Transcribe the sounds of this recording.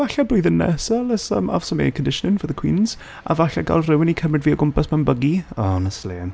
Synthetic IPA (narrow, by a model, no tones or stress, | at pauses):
vaɬabuːɨðənːɛ̰salˠəsə̰ma̰vsɔmḛjkʰɔndɪʃnɪnvəːðəkʰw̥ɪnz̥ | a̰vaɬaɡa̰lˠrɪwɪnikʰəmrɪdviːɔɡʊmpasmanbəɡiɔnəsleːn